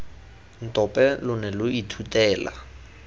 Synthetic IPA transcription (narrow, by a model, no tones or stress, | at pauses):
n̩tʼɔpʼɛlʊnɛlʊitʰutʼɛːla̰